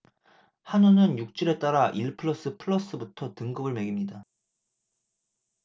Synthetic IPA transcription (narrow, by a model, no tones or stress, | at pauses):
hanunɯnjuk̚t͡ɕ͈ɯɾe̞t͈aɾaʔiɭpʰɯɭʌs͈ɯpʰɯɭːʌs͈ɯbutʰʌtɯŋɡɯbɯɭme̞ɡimɲida